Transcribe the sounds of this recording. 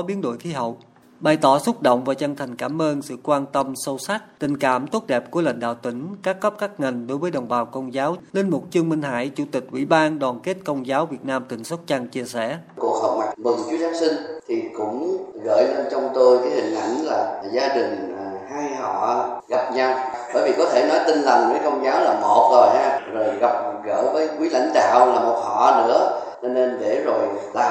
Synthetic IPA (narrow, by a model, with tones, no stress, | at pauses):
ɔ˨˦ɓi˨˦ənɗo̰˧˨jt̪ʰi˨˦ɦə̰˧˨w | ɓa˨˩jt̪ɔ˧˩sʊ˦˥t̚ɗo̰˧˨wŋ͡mvaː˨˩t͡ɕə˧ŋt̪ʰa˨˩jŋ̟kaː˧˩mʔəː˧nsɨ̰˧˨kwaː˧nt̪ə˧msə˧wsa˦˥k̚t̪ï˨˩ŋ̟kaː˧˩mt̪o˦˥t̚ɗɛ˨˩p̚ku˧˩əla̰˧˨jŋ̟ɗa̰ː˧˨wt̪ï˧˩ŋ̟kaː˦˥t̚ɣə˦˥p̚kaː˦˥k̚ŋa˨˩jŋ̟ɗo˨˦jvəː˨˦jɗə˨˩wŋ͡mɓaː˨˩wkə˧wnzaː˨˦wle˧nmo˨˩t̚t͡ɕɨ˧əŋmï˧ŋ̟ha̰ː˧˥jt͡ɕu˧˩˦t̪ï˨˩k̟̚ʔwḭ˧˥ɓaː˧nɗɔaː˨˩nke˦˥t̚kə˧wŋ͡mzaː˨˦wvi˨˩ət̚naː˧mt̪ï˧˩ŋ̟sə˦˥t̚t͡ɕa˧ŋt͡ɕi˧əsɛ̰˧˩˨ku˨˩ək̚hə˨˩k͡p̚ma˨˩mɨ˨˩ŋt͡ɕu˨˦zaː˦msï˧ŋ̟t̪ʰi˨˩kʊ̰˧˥ŋ͡mɣə̰ː˧˨jle˧nt͡ɕɔ˧wŋ͡mt̪o˧jkaː˨˦jhï˨˩ŋ̟ʔa̰˧˩jŋ̟laː˨˩zaː˧ɗï˨˩ŋ̟haː˧jhɔ̰˧˨ɣa˨˩p̚ɲa˧wɓəː˧˩jvi˨˩kɔ˨˦t̪ʰe˧˩nɔ˨˦jt̪ï˧ŋ̟la˨˩ŋkəː˨˦jkə˧wŋ͡mzaː˨˦wlaː˨˩mo˨˩t̚zo˨˩jhaː˧zo˨˩jɣa˨˩p̚ɣə̰ː˧˥vəː˨˦jkwi˨˦la̰˧˥jŋ̟ɗa̰ː˧˨wlaː˨˩mo˨˩t̚hɔ̰˧˨nɨ̰˧˥ə | t͡ɕɔ˧ne˧nɗe˧˩zo˨˩jlaː˨˩